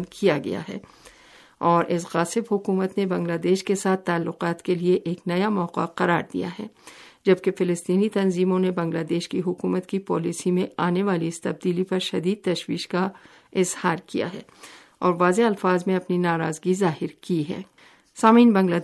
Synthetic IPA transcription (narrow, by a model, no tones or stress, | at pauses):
nkʰijaɡɐ̰ja̰ɦɛ̰ː | ɔːɾʔɪsɣaːsɪbɦʊkuːmət̪nebɐ̃ŋɡlaːd̪ɛːʃkesaːt̪ʰːaːlːʊqaːt̪kelieʔeːknɐjamɔːqa̰qɐɾaːɾd̪ḭja̰ɦɛ̰ːd͡ʒɐb̚kefɪlɪst̪iːnit̪ɐnziːmõnebɐ̃ŋɡlaːd̪eːʃkiɦʊkuːmət̪kipɔːlisimẽaːneʋaːliɪst̪ɐb̚d̪iːlipɐɾʃɐd̪iːd̪̚t̪ɐʃʋiːʃka | ɪzhaːɾkija̰ɦɛ̰ː | ɔːɾʋaːzeɐlfaːzmẽɐpninaːɾaːzɡizaːhɪɾkiɦɛ̰ː | saːmiːnbɐ̃ŋɡlaː